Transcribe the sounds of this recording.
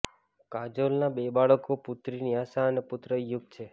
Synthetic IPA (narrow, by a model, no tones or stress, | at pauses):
kad͡ʒolnabebaɭəkopʊt̪ɾiniaʃaənepʊt̪ɾəjʊɡ̚t͡ʃʰe